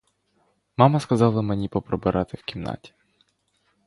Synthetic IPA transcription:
mɑmɐskɐzɑlˠɐmenʲipɔpɾɔbɪɾʔɑt̪ɪwkʲimnɑ̰tʲi̥

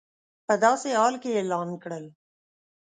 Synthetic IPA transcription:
pəd̪aːseaːlkeeːlaːnkəɽəl

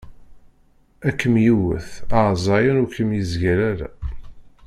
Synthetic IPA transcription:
ækːəmjiwə̰θɑʕzˤɑjənʊkəmjizʝæɾæɾæ̰

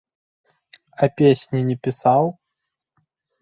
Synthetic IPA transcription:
ɐpʲesʲnʲinʲɛpʲisaw

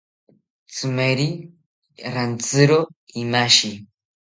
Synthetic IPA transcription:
t͡sɨmɐɾi | ɾant͡sɨɾoimaʃi

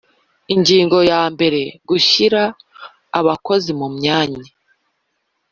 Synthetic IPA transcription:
iɲɟiːŋɡo̞jaːmbe̞ɾe̞ɡuçiɾaː | βako̞zimumɲaːɲi

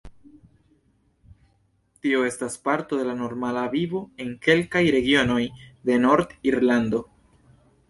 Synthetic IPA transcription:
tio̞e̞staspaɾto̞de̞lano̞ɾmalavivo̞e̞ŋke̞lkajɾe̞ɡio̞no̞jde̞no̞ɾd̪iɾland̪o̞

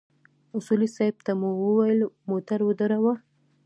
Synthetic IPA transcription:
ʊsulisɑɪb̚t̪amuwəwajəlmot̪aɾwəd̪əɾawa

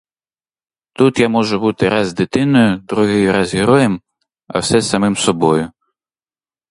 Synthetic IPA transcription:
t̪ut̪jamɔʒʊbut̪ɪɾazd̪ɪt̪ɪnɔjʊd̪ɾuɦɪjʊɾazɦɪɾɔjɛm | ɐ̰wsɛsɐmɪmsɔbɔjʊ

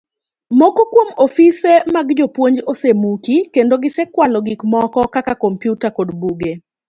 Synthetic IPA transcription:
mɔkokwomofisemaɡd͡ʒopwoɲd͡ʒosemukikendoɡɪsɛkwalɔɡɪkmɔkɔkakakompjutakodbuɡe

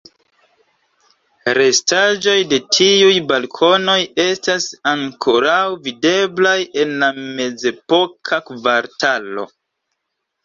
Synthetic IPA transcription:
ɾe̞staʒo̞jde̞tʰiujbalkʰo̞no̞je̞stasaŋkʰo̞ɾawvide̞blaje̞nlame̞ze̞po̞kʰakvaɾtʰalo̞̰

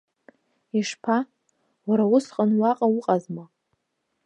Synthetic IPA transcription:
iʂpʰa | waɾawʊsqʼanwaqʼawʊqʼazma

